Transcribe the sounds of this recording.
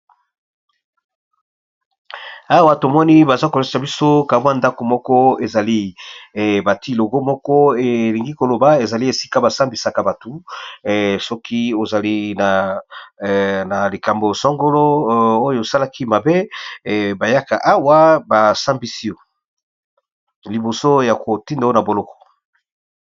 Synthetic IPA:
a˦wa˦to˨mɔ˦ni˦ba˨za˦ko˨le˦a˨bi˦so˦ka˨bwa˦˨nda˦ko˨mɔ˦kɔ˦e˨za˨li˦˨ | ba˨ti˦lo˨ɡo˦mɔ˦kɔ˦e˨li˨ŋɡi˦ko˨lo˨ba˨e˨za˨li˦e˨si̥˦ka˦ba˨sa˦mbi˨sa˨ka˨ba˨to˨ | sɔ˦ki˦o˨za˨li˦na˨ | na˨li˨ka˨mbo˨sɔ˦ŋɡo˦lo˦o˦jo˨sa˦la˦ki˦ma˨be˦˨ | ba˨ja˦ka̰˨ʔa˦wa˦ba˨sa˦mbi˦si˦o˨ | li˨bo˨so˦ja˨ko˨ti˦nda˨˦o˦na˨bo˨lɔ˦kɔ̥˨

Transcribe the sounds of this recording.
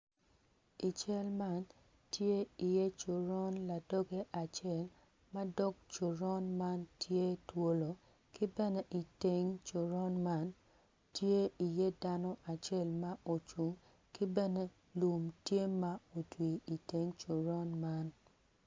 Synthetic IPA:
i˨t͡ʃɛ˦lma˦n | tje˦i˨je˦t͡ʃʊ˨ɾɔ˦nla˨dɔ˦ɡe˦ʔa˨t͡ʃɛ˦˨l | mɐ˦dɔ˦k̚t͡ʃu˨ɾɔ˦nma˦ntʰje˦two˦lo˨ | ki˦bɛ˦ne˦ʔi˨te˨ŋt͡ʃʊ˨ɾɔ˦nma˦n | tje˦i˨je˦da˦nɔ˦ʔa˨t͡ʃe˦lma˦ʔo˨t͡ʃu˨ŋ | ki˦bɛ˦ne˦ | lu˨mtje˦ma˦o˨twi˨i˨te˨˦ŋt͡ʃʊ˨ɾɔ˦nma˦n

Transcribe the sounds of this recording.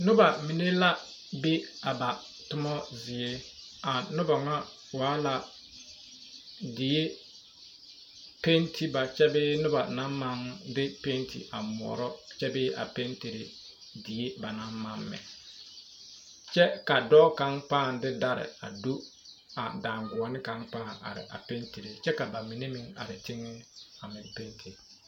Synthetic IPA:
nʊ˦ba˨mi˨ne˦la˦ | be˦a˨ba˨ | tʊ˦mɔ˦zɪ˨e˦a˨nʊ˦ba˨ŋa˦ | waː˨˦la˨ | dɪ˨e˦ | pe˦ntʰi˦ba˨t͡ʃɛ˦bɪː˦nʊ˦ba˨na˦ma˦ŋdɪ˦pe˦ntʰḭ˨ʔa̰˨mʊ˨ɔ̰˨ɾɔ˦t͡ʃɛ˦bɪː˦ʔa̰˨pe˦nti˨ɾe˨ | di˨je˦ba˨naː˨˦a˦mːɛ̰˨ | t͡ʃɛ˦ka˨dɔ˦ka˦ŋpaː˦˨ndɪ˦da˨ɾɪ̰˨a̰˨du˦ | a˨daː˨ŋɡʊ˨ɔ˨˦nɪ˦ka˨˦ŋk͡paː˦˨ŋa̰˨ɾɪ̰˨ʔa̰˨pe˦nti˨ɾe˨t͡ʃɛ˦ka˨ba˨mi˨ne˦mɪ˦ŋa̰˨ɾɪ˨tɪ˦ŋːɪ˦a˨mɪ˨pe˦ntʰi˨

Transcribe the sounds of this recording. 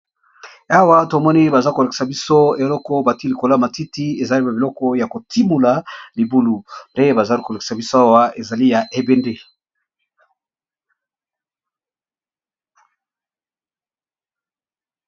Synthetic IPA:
a˦wa˦to˨mɔ˦ni˦ba˨za˦ko˨le˨ki̥˨sa˨bi˦so˦e˨lɔ˦kɔ˦ba˨ti˦li˨ko˨la˦ma˨ti˦ti˦e˨za˨li˦ba˨bi˨lɔ˦kɔ˦ja˨ko˨tʰi˦mu˨la˨li˨bu˦lu˨nde˦je˦ba˨za˦lko˨le˨ki̥˨sa˨bi˦so˦a˦wa˦e˨za˨li˦ja˨ʔe˨be˨nde˦˨l

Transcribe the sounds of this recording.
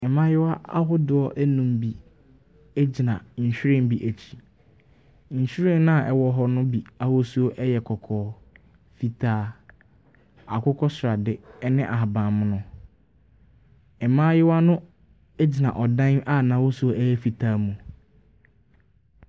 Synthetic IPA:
ɛ˨mã˦jɪ˦wa˦a˦ɦʊ˦dʊ˨˦ɔ˦ʔæ˦nũ˨mbi˨ | æ˦d͡ʑi˨nã˨ɲ̩˨ɕᶣɪ˦ɾɪ̃˦m˦bi˨ʔæ˨t͡ɕʰi̥˨ | ɲ̩˨ɕᶣɪ˦ɾɪ̃˦nñ˦a˨ʔɛ˨wɔ˨˦ɦɔ˦nʊ̃˦bi˨a˦ho˦su˦o˦ʔɛ˦jɛ˨kʰɔ˨kʰɔː˨ | fi˨tʰaː˦ | a˨kʰʊ˦kʰɔ˦sʊ˨ɾa˨dɪ˨ɛ˦nɪ̃˦ʔa˨a˨bã˨mʊ̃˦nʊ̃˦ | ɛ˨mãː˦jɪ˦wa˦nʊ̃˦ | æ˦d͡ʑi˨nã̰˨ʔɔ˨dã˦na˦˨nã˨˦wo˦su˨˦o˦ʔæ˦jɛ˦fi˨tʰaː˦mũ˨

